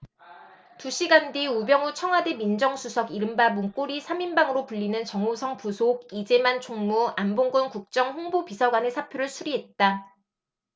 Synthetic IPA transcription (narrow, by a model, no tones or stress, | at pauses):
tuɕ͈ʰiɡandiubjʌŋut͡ɕʰʌŋɦwademind͡ʑʌŋsʰusʰʌɡiɾɯmbamuŋk͈oɾisʰaminbaŋɯɾopuʎːinɯnt͡ɕʌŋosʰʌŋpusʰoɡid͡ʑe̞mant͡ɕʰoŋmuanboŋɡɯnkuk̚t͡ɕ͈ʌŋɸoŋbopisʰʌɡwane̞sʰapʰjoɾɯɭsʰuɾiɦe̞t̚t͈a